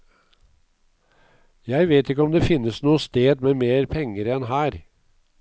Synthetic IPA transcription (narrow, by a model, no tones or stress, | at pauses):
jæɪʋeːt̪ɪkːəɔmd̪eːfɪnːəsnuːəst̪eːd̪meːmeːɾpʰɛŋəɾɛnhæːɾ